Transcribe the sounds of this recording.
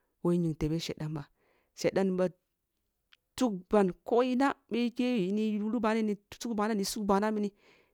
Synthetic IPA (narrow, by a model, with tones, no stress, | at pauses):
wo˦i˦ɲi˨ŋte˨be˦ʃḛ˨da˨nba˨ | ʃe˨da˦nba˨ | tu˦k̚ba˨nko˦ji˦na˦ɓe˦ke˦wi˨ni˦u˦lu˦ba˨˦ne˦ni̥˨˦su˦kba˨na˦ni˨su˦kba˨na˦mi˦ni˦